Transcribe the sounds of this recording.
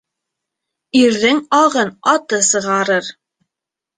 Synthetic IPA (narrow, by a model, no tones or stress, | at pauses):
iɾðɘŋɑʁɤnɑt̪ɤsɤ̆ʁɑɾɤɾ